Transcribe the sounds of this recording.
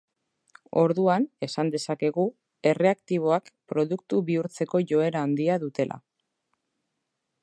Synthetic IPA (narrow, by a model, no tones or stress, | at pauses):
o̞ɾðuane̞sand̪e̞sake̞ɣu | e̞re̞akt̪iβ̞o̞akpɾo̞ðukt̪uβiuɾt͡se̞ko̞ʝo̞e̞ɾaːnd̪iaðut̪e̞lʔa̰